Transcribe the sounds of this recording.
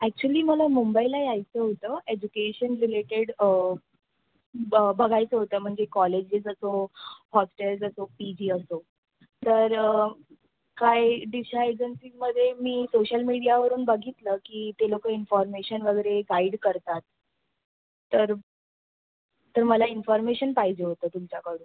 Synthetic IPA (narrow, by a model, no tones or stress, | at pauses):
æk̚t͡ɕuəliːməlamumbailaeajt͡səɦot̪əːed͡ʑukeɕənɾileʈeɽ | bʱəɡajt͡səɦot̪əːm̤əɳd͡zekɔled͡ʑed͡zəsohɔsʈeld͡zəsopid͡ʑiːəso | t̪əɾ | kajɖiɕaed͡ʑənsiməd̪ʱːjemiːsoɕəlmiɽijaʋəɾuːnbəɡʱit̪ləːkiːt̪elokəːinfɔɾmeɕənʋəɡəɾeɡaiɽkəɾt̪at̪ | əɾ | t̪əɾməlainfɔɾmeɕənpaɦid͡ʑeɦot̪əːt̪umt͡ɕjakəɽuːn